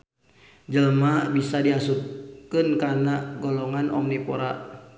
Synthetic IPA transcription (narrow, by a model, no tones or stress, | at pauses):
d͡ʒəlmabisadiɦasukkːənkanaɡɔlɔŋanʔɔ̰mnipɔɾa̰ʔ